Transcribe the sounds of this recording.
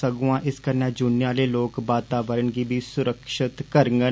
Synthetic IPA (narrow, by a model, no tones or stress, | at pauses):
əɡũːãːʔɪskəɾnɛ̃ːd͡ʒʊnɪjãːleːloːkbaːt̪aːʋəɾəɳɡiːbʱiːsʊɾəkʃɪt̪kəɾəŋɡə